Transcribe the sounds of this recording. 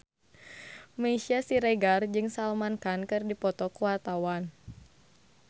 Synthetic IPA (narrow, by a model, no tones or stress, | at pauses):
məisiasiɾeɡard͡ʒɨŋsalmankankɨrdipɔt̪ɔkuwart̪awan